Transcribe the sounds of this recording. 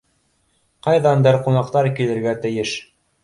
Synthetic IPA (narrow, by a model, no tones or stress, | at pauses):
qɑjðɑnd̪ɤɾqunɑqt̪ɑɾkilɘ̆ɾɡæt̪ɘ̆jɘʃ